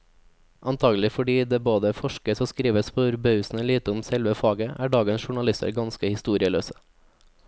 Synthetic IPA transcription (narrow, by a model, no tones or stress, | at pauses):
ʔɑnt̪ʰɑːɡəlɪfɔɖiːd̪eːboːd̪əfɔʃkəsoːskɾiːʋəspʰoːʉɾbɑʉsn̩əliːt̪əʊmsɛlʋəfɑːɡəʔæːɖɑːɡənsʃʊɳɑlɪst̪ə̰ɾɡɑnskəhɪst̪uːɾɪəlø̰ːsə̥